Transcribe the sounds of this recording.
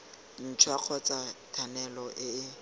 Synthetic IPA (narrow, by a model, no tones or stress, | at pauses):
n̩t͡ʃʰwaq͡χʰɔt͡satʰanɛlɔʔɪ